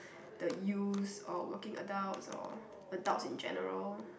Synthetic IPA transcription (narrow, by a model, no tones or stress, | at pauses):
d̥əjusɔfwəkɪ̃ŋə̰daʊtsɔ̰ | ədaʊtsĩnd͡ʒɛ̰nəɹəl